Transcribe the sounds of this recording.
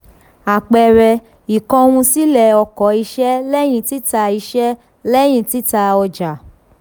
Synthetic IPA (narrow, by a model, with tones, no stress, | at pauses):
a˨k͡pɛ˨ɾɛ˧ | i˨kɔ̃˧w̃ũ˧si˦lɛ˨ɔ˧kɔ˨˦i˧ʃɛ˦lɛ˦j̃ĩ˦˧˨ti˦ta˧i˧ʃɛ˦ | lɛ˦j̃ĩ˦˨ti˦ta˧ɔ˧d͡ʒa˨